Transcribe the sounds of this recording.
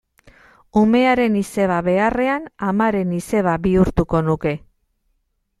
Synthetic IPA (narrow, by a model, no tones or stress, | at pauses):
ume̞aɾe̞nise̞β̞aβe̞are̞anamaɾe̞nise̞β̞aβiuɾt̪uko̞nuke̞